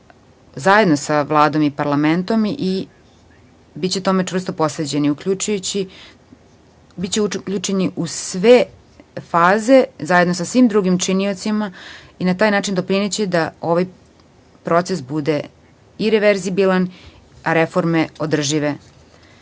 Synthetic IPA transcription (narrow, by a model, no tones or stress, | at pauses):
zajed̪nosaʋlˠaːd̪o̞mipaɾlˠament̪o̞mʔi | bitt͡ɕe̞t̪ome̞ʈ͡ʂvr̩st̪o̞po̞sɾed͡ʑe̞niukʎut͡ʃujut͡ɕi | bitt͡ɕekʎut͡ʃeniʔusʋe | faːze̞zajed̪nosasʋiːmd̪ɾuɡimt͡ʂinio̞t̪simainat̪aːjnaːt͡ʃind̪o̞pɾinet͡ɕed̪ao̞ʋaj | pɾo̞t̪sesbud̪e̞ | iɾeʋeɾzibilan | aɾefo̞ɾmeod̪r̩ʒiʋe